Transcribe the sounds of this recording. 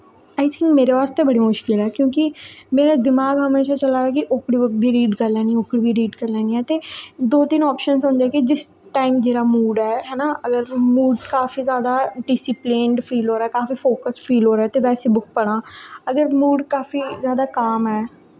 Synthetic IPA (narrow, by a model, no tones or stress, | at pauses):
aːɪt̪ʰɪ̃ŋkmeːɾepaːst̪ebɐɽimʊʃkɪlɦɛːkjõːkimeːɾad̪ɪmaːɡɦəmeːʃat͡ʃəlaːɛkiʔʊkɽibʊk̚bʱiɾiːɖkəɾlɛːnĩʊkɽibʱiɾiːɖkəɾlɛːnĩɦɛːt̪eːd̪oːt̪ɪnɔːpʃənsʊ̃nd͡ʒaːkid͡ʒɪsʈaːɪmd͡ʒeːɾamuːɖɦɛːɦɛːnaəɡəɾmuːɖkaːfizjaːd̪aɖɪsɪplẽɳɖfʰɾiːlɦoːɾaːɛkaːfifoːkəsfʰɾiːlɦoːɾaɛt̪eʋɛːsebʊk̚pəɽ̃ãːəɡəɾmuːɖkaːfizjaːd̪akaːmɦɛː